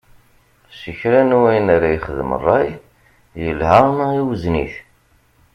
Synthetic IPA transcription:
səçɾænuwæjənaɾajχəðəmə̰rˤːɑj | jəlhəʁniwəznḭθ

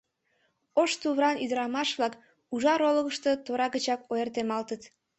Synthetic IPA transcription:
oʃt̪uβɾɑnyd̪əɾɑmɑʃβlɑk | uʒɑɾoləɣəʃt̪ə̽t̪oɾɑɣət͡ɕɑkoert̪emɑlt̪ət̪

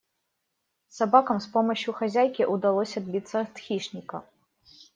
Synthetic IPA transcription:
sabakɐmspɔmɐɕuxazʲajkʲiʔud̪alˠɔsʲɐd̪̚bʲit̪sːɐt̪xʲiʂnʲikɐ

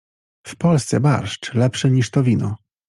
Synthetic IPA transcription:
fpɔlst̪sɛba̰ɾʂt͡ʂlɛpʂɘɲiʂt̪ɔvʲinɔ

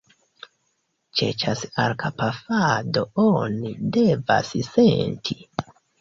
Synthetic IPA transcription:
t͡ʃḛt͡ʃasalkʰapafadoonide̞va̰ssentʰi

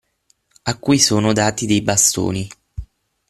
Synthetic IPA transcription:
akːujsoːnod̪aːt̪id̪ejbast̪o̰ːni

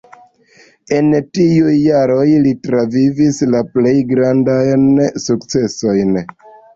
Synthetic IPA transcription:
e̞ntiujːaɾo̞jlitɾavivislaple̞jɡɾandajnsukt͡se̞so̞jn

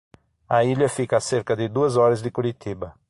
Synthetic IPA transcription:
ɐiʎɐfikɐːseɾkɐd̪ɪd̪uɐzɔɾɐzd̪ɪkuɾit̪ʰibɐ

